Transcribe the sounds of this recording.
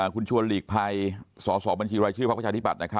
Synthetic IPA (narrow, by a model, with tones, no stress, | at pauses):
kʰu˧nt͡ɕʰu˧ənliː˨˩k̚pʰa˧jsɔː˩˦sɔː˩˦ba˧nt͡ɕʰiː˧ɾaː˧jt͡ɕʰɯː˥˩pʰpʰːa˧˩aː˧t̪ʰi˥pa˨˩na˦˥kʰa˦˥